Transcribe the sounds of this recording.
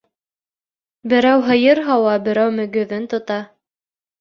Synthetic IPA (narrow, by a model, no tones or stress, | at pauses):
bɘ̆ɾæwɦɤ̆jɤɾɦɑwɑbɘ̆ɾæwmɵ̆ɡɵ̆ðɘnt̪ŏt̪ɑ